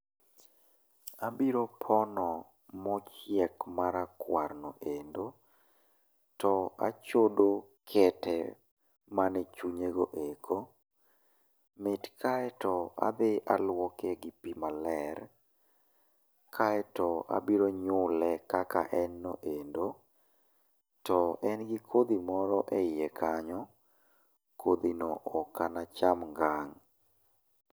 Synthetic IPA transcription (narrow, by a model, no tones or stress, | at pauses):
abiɾopʰɔnɔ | mɔt͡ʃɛkmaɾakwarnɔʔendo | tɔa̰t͡ʃodokʰɛtɛ̰ | manɛt͡ʃuɲeɡoʔekʰo | mɪtkʰaɛtɔa̰bɪʔalwɔkɛɡɪpimalɛr | kʰaɛtɔa̰biɾoɲʊlɛkaka̰ʔɛnːoʔendo | tɔɛnɡikʰod̪imɔɾɔʔeijekʰaɲɔ | kʰod̪inoʔɔkanat͡ʃamŋɡaŋ